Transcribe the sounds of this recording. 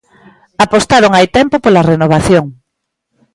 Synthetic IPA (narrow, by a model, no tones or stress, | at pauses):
apost̪aɾoŋajt̪ɛmpopolarenoβ̞aθjoŋ